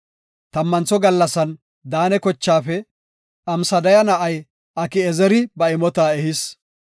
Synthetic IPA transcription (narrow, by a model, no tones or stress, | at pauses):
t̪ɐmːɐnt͡sːɔɡɐlːɐsɐn | d̪aːnɛkɔt͡ʃːaːfɛ | ʔɐmsɐd̪ɐjɐnɐʔɐj | ʔɐkɪɛzɛɾɪbɐɪmɔt̪aːɛhɪs